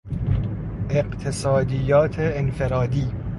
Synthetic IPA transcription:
ʔeqt̪ʰesɒːd̪ijɒːt̪ʰeːnfeɾɒːd̪iː

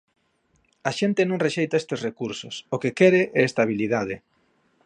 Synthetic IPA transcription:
aʃent̪ɪnõŋreʃejt̪aest̪esrekuɾsʊsokekɛɾeʔɛest̪aβ̞ilið̞að̞ɪ

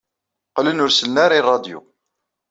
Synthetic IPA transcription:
qlənʊɾsəlnːaɾirˤːɑd̪jṵ

